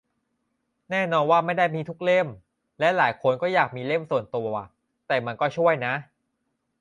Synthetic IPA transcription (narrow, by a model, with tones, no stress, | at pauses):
nɛː˥˩nɔː˧nwaː˥˩ma˥˩jda˥˩jmiː˧t̪ʰu˦˥k̚le˥˩m | lɛ˦˥laː˩˦jkʰo˧nkɔː˥˩jaː˨˩k̚miː˧le˥˩msu˨˩ənt̪u˧ɐa̰˨˩ | t̪ɛː˨˩ma˧nkɔː˥˩t͡ɕʰu˥˩əjna˦˥ʔ